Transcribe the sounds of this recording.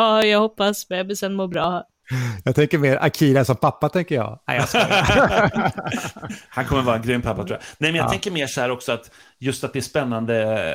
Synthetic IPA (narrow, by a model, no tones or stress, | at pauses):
ɑːjɑːɡhɔpːasmɛabɪsɛnmoːbɾɑːhæɾ | jɑːɡt̪ʰɛŋkəɾmeːɾʔa̰kʰiːlasɔmpʰapːat̪ʰɛŋkəɾjɑ̰ːa̰j̰s | hankʰɔmːəɾvɑːɾaɛnɡɾympʰapːat̪ʰɾuːjanɛmɛnjat̪ɛŋkəɾmeːʂɔhæːɾɔksɔat̪ | jɵst̪at̪d̪ɛæʂpɛnːand̪ə